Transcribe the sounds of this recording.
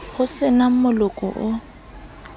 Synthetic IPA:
hʊsɪnam̩mʊlʊkʼɔ̰ʔʊ

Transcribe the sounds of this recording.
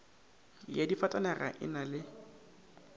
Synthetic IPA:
jadifatʼanɛra̰ʔɪ̰nalɪ

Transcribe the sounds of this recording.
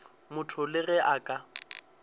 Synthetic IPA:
mʊtʰʊlɪɣɛʔakʼa

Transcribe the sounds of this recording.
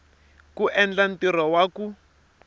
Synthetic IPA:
kuʔɛnd͡ɮantiɾawaku

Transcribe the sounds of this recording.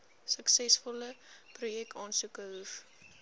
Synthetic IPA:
səksɛsfɔləprujɛk̚tɑːnsukəɦuf

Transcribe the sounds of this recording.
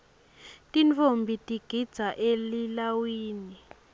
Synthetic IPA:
tʼint͡fombʱitʼiɡ̥ʱid̥z̥ʱaʔelilawiːni

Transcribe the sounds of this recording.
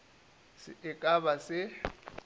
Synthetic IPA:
sɪ̰ʔɪkʼaβasɪ

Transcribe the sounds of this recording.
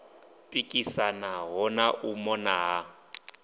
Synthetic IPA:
pʼikʼisanaɦɔnaʔumɔnaɦa

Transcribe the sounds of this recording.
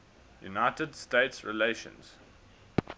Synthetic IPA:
junaɪtədsteɪtsɹɪ̰leʃə̰̃nz̥

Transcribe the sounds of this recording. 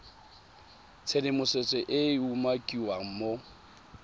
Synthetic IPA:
t͡sʰelɪmʊset͡sʼɪʔɪumakʼiwaŋ̩mo

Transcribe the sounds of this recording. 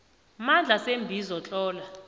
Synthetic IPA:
mand͡ɮʱasembʱizɔt͡ɬʼɔːla

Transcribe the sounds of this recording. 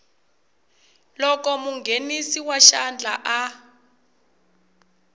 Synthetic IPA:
lɔkɔmuŋɡʱenisiwaʃand͡ɮʱaʔa

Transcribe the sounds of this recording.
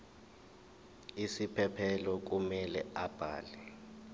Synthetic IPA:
isipʰɛpʰɛlɔk̬umɛlɛab̥ʱa̰ːlɛ

